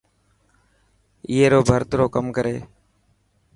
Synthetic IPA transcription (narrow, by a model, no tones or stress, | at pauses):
ɪːeːɾoːbʱəɾt̪ɾoːkəmkəɾeː